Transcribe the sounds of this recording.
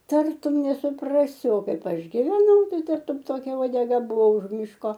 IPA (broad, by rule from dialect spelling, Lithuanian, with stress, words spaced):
ˈtɐrtʊm nʲɛsʊˈprɑːsʲɪ oː ˈkɐɪp ˈɐʃ ɡʲɪʋʲɛˈnɐʊ ˈtɐɪ ˈtɐrtʊm ˈtoːkʲɛ uɔdʲɛˈɡɐ ˈbʊʋoː ʊʃ ˈmʲɪʃkoː